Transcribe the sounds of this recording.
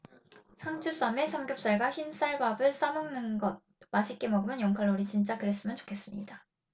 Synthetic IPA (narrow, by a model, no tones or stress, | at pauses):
sʰaŋt͡ɕʰus͈ame̞sʰʌmɡjok̚s͈aɭɡaçins͈ʰaɭbabɯɭs͈amoŋnɯnɡʌd̚ | maɕʰik͈e̞mʌɡɯmjʌnjʌŋkʰaɭːoɾit͡ɕint͡ɕ͈akɯɾe̞s͈ɯmjʌnt͡ɕo̥kʰe̞s͈ɯmɲḭda